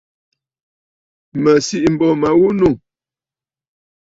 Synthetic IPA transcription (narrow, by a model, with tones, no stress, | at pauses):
mə˨si˦ʔm̩˨bɔ˨ma˨wu˦nu˦˨